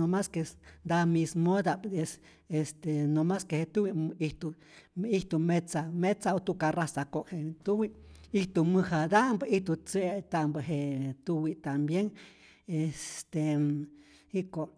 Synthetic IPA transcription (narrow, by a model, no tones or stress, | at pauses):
omaskesnd̪amismod̪aʔpd̪es | est̪enomaskehet̪uwiiht̪u | iht̪umet͡samet͡saot̪ukarasakoʔhet̪uwiiht̪umɨhad̪aʔmbəiht̪ut͡seʔt̪aʔmbəɦet̪uwit̪ambjeŋ | est̪e | hikoʔ